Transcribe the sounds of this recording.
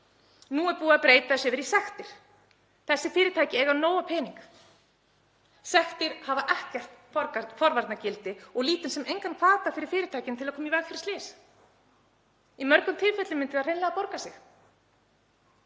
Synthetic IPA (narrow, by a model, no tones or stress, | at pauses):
nuɛɾpuːaðpɾeːjt̪aðʏsjɛvɪɾisɛxt̪ɪɾ̥ | θɛsːɪfɪːɾɪt̪ʰaːjcɪɛːɣanoːwapʰɛːniŋk | sɛxt̪ɪɾ̥havaʔɛhcar̥t̪fɔɾfɔɾvaɾt̪nacɪlt̪ɪɔɣliːt̪ɪnsɛmejŋkankʰvaːt̪afɪɾɪ̥ɾ̥fɪːɾɪt̪ʰaːjcɪnt̪ʰɪlaðkʰɔːmivɛk̪fɪɾɪ̥t̪ɪːs | imœɾkʏmt̪ʰɪlfɛt̪lɪmɪnt̪ɪðaðr̥ejnɛɣapɔɾkasɪx